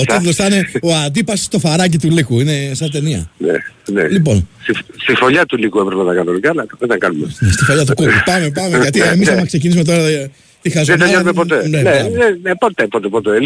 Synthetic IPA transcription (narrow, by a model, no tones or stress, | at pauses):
ot̪it̪oosθɐneoɐnd̪ipɐsst̪o̞fɐɾɐc̬it̪ulikuine̞sɐnt̪e̞niɐ̰nḛnḛlipo̞̰nsifst̪ifo̞ʎɐt̪ulikuepɾepenɐkɐno̞nikɐlɐt̪ɐent̪ɐŋkɐnumenest̪ifo̞ʎɐt̪̬ukokipɐmepɐmekɐt̪iemisɐmɐksecinisume̞t̪o̞ɾɐ | t̪ixɐzuemɐɐɲoumepot̪enenenenepot̪epot̪epot̪e